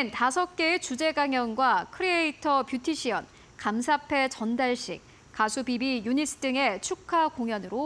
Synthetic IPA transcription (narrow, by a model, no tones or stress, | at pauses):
entasʰʌk̚k͈e̞et͡ɕud͡ʑe̞ɡaŋjʌnɡwakʰɯɾieitʰʌpjutʰiɕʰiʌn | kamsʰapʰe̞t͡ɕʌndaɭɕ͈ḭk̚ | kasʰubibijunis͈ʰɯ̥d͈ɯŋe̞t͡ɕʰukʰakoŋjʌnɯɾo